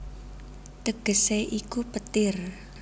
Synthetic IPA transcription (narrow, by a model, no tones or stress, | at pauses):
t̪əɡ̥ə̤seʔikupət̪ɪr